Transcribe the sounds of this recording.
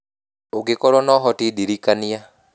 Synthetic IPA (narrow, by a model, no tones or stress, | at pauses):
oɡɪkɔɾɔnɔɦɔtiɗiɾikania